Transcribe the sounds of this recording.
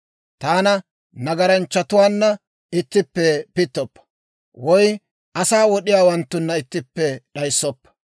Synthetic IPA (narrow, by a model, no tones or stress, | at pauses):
t̪aːnɐ | nɐɡɐɾɐnt͡ʃːɐt̪ʊwaːnːɐ | ɪt̪ːɪpːɛpɪt̪ːɔpːɐ̥ | wɔj | ʔɐsaːwɔɗɪjaːwɐnt̪ːʊnːɐɪt̪ːɪpːɛɗɐjsːɔpːɐ̥